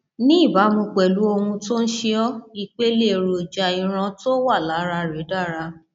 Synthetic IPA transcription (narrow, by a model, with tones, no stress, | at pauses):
nĩ˦˨ba˨˦mõ˧k͡pɛ˨lu˨˦o˧hũ˧to˦n̩˦ʃe˦ɔ˦i˦˧k͡pe˦le˦˨ɾo˨d͡ʒa˨i˨ɾ̃ã˧to˦wa˦˨la˨˦ɾa˧ɾɛ˨˦da˦˨ɾa˧